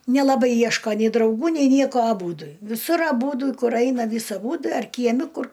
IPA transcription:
nʲɛlˠɐˈbɐɪ ˈjiɛʃkoː nʲɛɪ drɐʊˈɡuː nʲɛɪ ˈnʲiɛkoː ɐˈbuːdʊ ʋʲɪˈsʊr ɐˈbuːdʊ ˈkʊr ˈɐɪnɐ ˈʋʲiːs ɐˈbʊ ɐr kʲiɛˈmʲɪ ˈkʊr

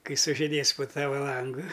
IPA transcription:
ˈkɐɪ sʊʒʲɪˈdʲeːs poː ˈtɑːʋɐ ˈlˠɐŋɡʊ

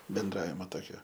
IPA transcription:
bʲɛnˈdrɑːʋʲɪmɐ ˈtoːkʲoː

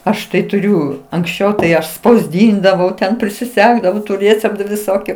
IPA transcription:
ˈɐʃ tɐɪ tʊˈrʲʊ ɐŋksʲˈt͡ʃʲɛʊ tɐɪ ˈɐʃ spɐʊzʲˈdʲiːndɐʋɐʊ tʲɛn pʲrʲɪsʲɪˈsʲæːɡdɐʋɐʊ tʊ ˈrʲeːt͡sʲɛptʊ ʋʲɪˈsoːkʲʊ

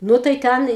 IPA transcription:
ˈnʊ tɐɪ ˈtʲɛn

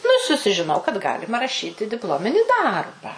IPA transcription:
nʊ ɪ sʊsʲɪʒʲɪˈnɐʊ kɐt ˈɡɑːlʲɪmɐ rɐˈʃʲiːtʲɪ dʲɪpˈlˠoːmʲɪnʲɪ ˈdɐrbɐ

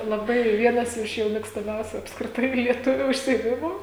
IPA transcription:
lˠɐˈbɐɪ ˈʋʲiɛnɐs ˈɪʃ jɛʊ mʲeːkstɐˈmʲɛʊsʲʊ ɐpskrʲɪˈtɐɪ lʲiɛˈtʊʋʲʊ ʊʃʲsʲɪeːˈmʲɪmʊ

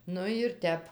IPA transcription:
ˈnʊ jɪr ˈtʲɛp

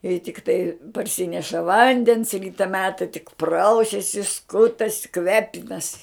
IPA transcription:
ɪ tʲɪkˈtɐɪ pɐrʲˈsʲɪnʲɛʃɐ ˈʋɐnʲdʲɛns ˈrʲiːtɐ ˈmʲæːtɐ tʲɪk ˈprɐʊsʲɛsʲɪ ˈskʊtɐsʲɪ ˈkʋʲæːpʲɪnɐsʲɪ

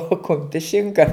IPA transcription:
oː ˈkʊmʲpʲɪs ˈʃʲɪŋkɐ

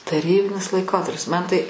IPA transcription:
tɐˈrʲiːbʲɪnʲɪs lˠɐɪˈkoːtɐrʲpʲɪs ˈmɐn tɐɪ

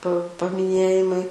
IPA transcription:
pɐ pɐmʲɪˈnʲeːjɪmɐɪ

